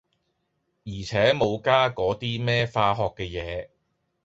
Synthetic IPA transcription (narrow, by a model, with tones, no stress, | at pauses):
jiː˨˩t͡sʰɛː˨˥mo˨˧wkaː˥kɔː˨˥t̪iː˥mɛː˥faː˧ɦɔː˨kːɛː˧jɛː˨˧˦